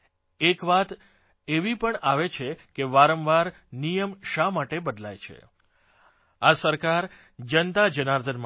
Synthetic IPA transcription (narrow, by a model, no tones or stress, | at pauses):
ekʋat̪ | eʋipəɳaʋet͡ʃʰekeʋaɾəmʋaɾ | nijəmʃamaʈebəd̪lajt͡ʃʰḛ | asəɾkaɾ | d͡ʒənt̪ad͡ʒənaɾd̪ʰʱənm